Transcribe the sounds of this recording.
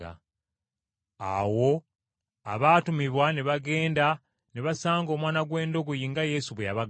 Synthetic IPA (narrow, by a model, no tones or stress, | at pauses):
a̰ | awo̞ | aβaːtumiβwaneβaɡe̞ːnda | neβasaːŋɡo̞ːmwaːnaɡwe̞ːndo̞ɡojiŋɡaje̞suβwejaβaɡ